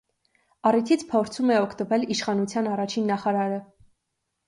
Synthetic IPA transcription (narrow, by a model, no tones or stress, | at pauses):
ɑrit̪ʰit͡sʰpʰɔɾt͡sʰumɛɔkʰt̪əvɛliʃχɑnut͡sʰjɑnɑrɑt͡ʃʰinːɑχɑɾɑɾə